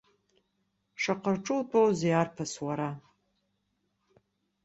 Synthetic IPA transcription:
ʂaqərʈ͡ʂʼʊltʼowzejarpʰaswaɾa

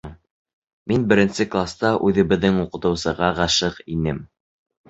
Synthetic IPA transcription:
minbɘ̆ɾɘ̆nsɘklˠast̪ɑʔʉðɘ̆βɘ̆ðːɘŋuqɤ̆t̪ɤ̆wsɤ̆ʁɑʁɑʃɤqinɘm

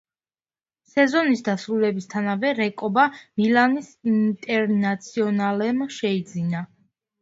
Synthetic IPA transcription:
sɛzɔnisd̪asɾulɛbist̪ʰanavɛɾɛkʼɔbamilanisint̪ʼɛɾnat̪sʰiɔnalɛmʃɛid̪zina

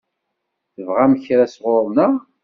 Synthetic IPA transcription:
θəvʁæməçɾæsʁoɾˤnəʁ

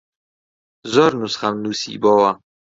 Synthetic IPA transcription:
zɔɾnusχamnusḭbɔwa

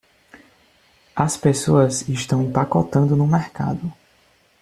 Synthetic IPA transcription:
ɐspesoɐziʃt̪ɐ̃w̃pakɔt̪ɐ̃nd̪ʊnʊmɛɾka̰d̪ʊ

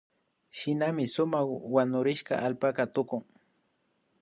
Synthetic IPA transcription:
ʃɪnamɪsʊmaχwanʊɾɪʃka̰ʔalpakat̪ʊkʊŋ

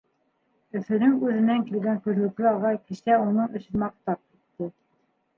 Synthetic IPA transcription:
ɵ̆fɘ̆nɘŋʉðɘ̆næŋkilɡæŋkʉ̆ðlɵ̆klɘɑʁɑjkɘ̆ʃæunɤɴɵ̆sɘnmɑq̚t̪ɑp̚ki̥t̪ːɘ

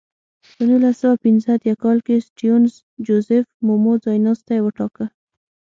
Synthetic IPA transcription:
pənulasawapinzəat̪jakɑlkesʈijunz | d͡ʒozɪfmomozɑjnɑst̪ajwəʈɑkə

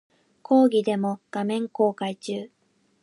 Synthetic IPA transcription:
kʰo̞ːɡʲid̪e̞mo̞ɡ̥amẽ̞ŋko̞ːkait͡ɕɨː

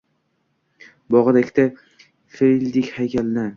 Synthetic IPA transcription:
bɒʁɨd̪akʲt̪a | feɾilʲd̪ɪkʲhajkʲalɪna

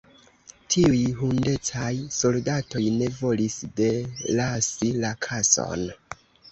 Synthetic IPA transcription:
tʰiujɦunde̞t͡sajso̞ldato̞jne̞vo̞lisde̞lasilakʰaso̞̰n

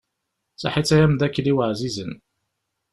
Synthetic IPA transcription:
sa̰ħit͡sːæjæmðækːliwəʕzizən

